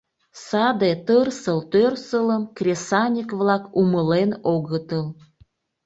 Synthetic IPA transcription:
sɑd̪et̪ərsəlt̪ørsələmkrʲesɑnʲikβlɑkuməlenoɣət̪əl

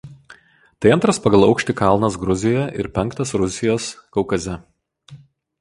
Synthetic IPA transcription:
t̪ɐɪɐnt̪ɾɐspɐɡɐlˠɐʊkʃʲt̪ʲɪkɐlˠnɐs̬ɡɾʊzʲɪjɛʔɪ̰ɾpʲɛŋˑkt̪ɐsɾʊsʲɪjoːskɐʊkɐzʲɛ

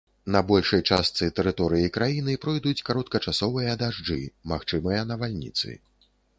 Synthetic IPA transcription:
nɐbɔlʲʂɐjt͡ʂast̪sɨt̪ɛɾɨt̪ɔɾɨjikɾajinɨpɾɔjd̪ut͡sʲkaɾɔt̪̚kɐt͡ʂasɔvɨjɐd̪aʐd͡ʐɨ̰maxt͡ʂɨmɨjɐnɐvalʲnʲḭt̪sɨ̰

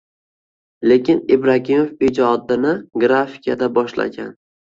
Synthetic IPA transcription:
le̞kʲɪnebɾakʲimofɪd͡ʒɒd̪ɪnɪɡɾafi̥kʰʲad̪abɒʃla̰ɡʲan

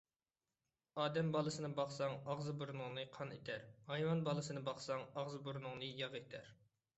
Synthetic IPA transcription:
ɑːd̪ɛmbɑlˠɨsɨnɨbɑχsɑŋɑʁzɨbuɾunʊŋnɨqʰɑnet̪ʰæɾhɑjwɑnbɑlˠɨsɨnɨbɑχsɑŋɑʁzɨbuɾnʊŋnɨjɑʁet̪ʰæɾ

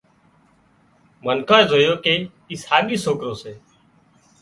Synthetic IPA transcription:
mənkʰãːzoːjoːkeː | ishaːɠiːsoːkɾoːseː

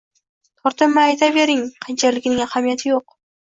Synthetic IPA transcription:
t̪ʰɒɾt̪ʰɨmːɪajt̪ʰabeɾɪŋqʰant͡ʃʰalɪkʲnɪŋahamijat̪ʰɪjoq

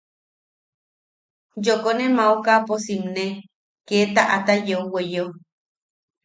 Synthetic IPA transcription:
jokonemaukaposimne | ket̪aʔat̪ajeuwejo

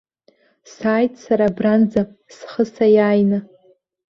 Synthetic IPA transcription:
saːjtʰʼsaɾabrand͡zasχəsajaːjna

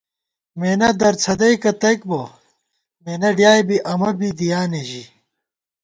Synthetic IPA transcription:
meːnɐd̪ɐɾt͡sʰɐd̪ɐjkɐt̪ɐjkbo | meːnɐɖjaːjbiʔɐmɐbid̪ijaːneʑi

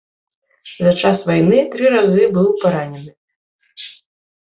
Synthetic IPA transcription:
zɐt͡ʂasvajnɨt̪ɾɨɾazɨbɨwpaɾanʲɛnɨ

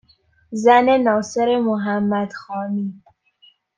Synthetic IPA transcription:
zænenɒːseɾemoɦæmːæd̪̥xɒːniː

